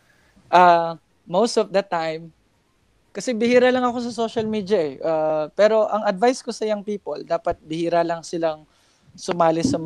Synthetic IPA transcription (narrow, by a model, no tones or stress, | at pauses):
ʔa | mowst̪ɔfd̪ɐt̪ajm | kɐsɛbɪhiːɾalɐŋɐko̞s̬ɐso̞ːʃɐlmiːd̪jɐʔɛʔapɛːɾo̞ʔɐŋɐd̪vajskosɐjaŋpiːpold̪aːpɐt̪̚bɪhiːɾalɐŋsɪlaŋ | sʊmaːlɪsɐm